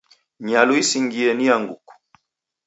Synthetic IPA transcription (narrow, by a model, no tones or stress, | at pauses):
ɲaluisiŋɡiɛniaŋɡṵku̥